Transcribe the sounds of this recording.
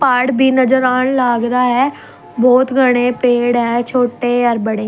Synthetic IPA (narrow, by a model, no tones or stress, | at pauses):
paːɽbʱiːnəd͡ʒəɾaːɳlaːɡd̪aːɦɛː | bɔːt̪ɡəɽ̃ẽːpeːɽɦɛ̃ːt͡ʃʰoːʈeːəɾbəɽeː